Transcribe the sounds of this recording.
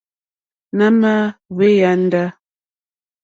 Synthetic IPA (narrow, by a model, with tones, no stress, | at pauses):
na˦ma˦βe˦ja˦n˦da˦